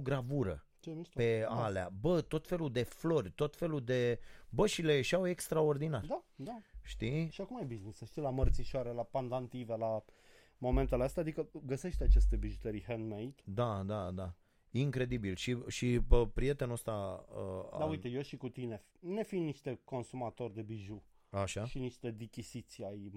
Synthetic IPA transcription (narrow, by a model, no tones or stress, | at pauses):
ɡɾavuɾə̰ | t͡ʃemiʃpe̞alea̰bət̪o̞t̪fe̞lud̪e̞flo̞rʲt̪o̞t̪fe̞lud̪e̞bəʃile̞eʃawe̞kst̪ɾao̞rd̪inard̪ad̪aʃt̪iʃiakumajbiznisəʃt̪ilamərt̪siʃoaɾelapand̪ant̪ivela | mo̞ment̪eleast̪aːd̪ikəɡəse̞ʃt̪at͡ʃe̞st̪e̞biʒut̪eɾiɦenmejt̪d̪ad̪ad̪a | iŋkɾe̞d̪ibilʃiʃiəpɾije̞t̪e̞nəst̪aə̰d̪aujt̪ejoʃikut̪ine̞ | ne̞finiʃt̪e̞ko̞nsumat̪o̞rʲd̪e̞biʒu | aʃaʃiniʃt̪e̞d̪ikʲisit̪siaj